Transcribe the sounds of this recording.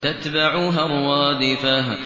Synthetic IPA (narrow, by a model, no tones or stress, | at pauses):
t̪at̪baʕuːɦaɾˤwɑd̪ɪfaːɦ